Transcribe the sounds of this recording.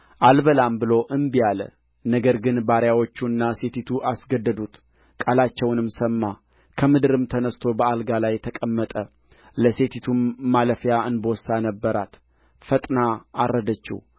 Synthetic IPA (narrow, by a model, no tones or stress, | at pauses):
ʔalbəlambɨlo̞ʔɨnbijalə̰ | nəɡəɾɡɨnbaɾjawo̞t͡ʃːuɨnːase̞t̪it̪ʰuʔasɡəd̪ːəd̪ut̪ | kʼalat͡ʃːɛwnɨmsəmːa | kʰəmɨd̪ɨɾɨmt̪ʰənəst̪ʰo̞bəalɡalajːt̪ʰəkʼəmːət̪ʼə | ləse̞t̪ʰit̪ʰumːaləfjaʔɨnbəwsanəbːəɾat̪ | fət̪ʼnaarːəd̪ət͡ʃːḭw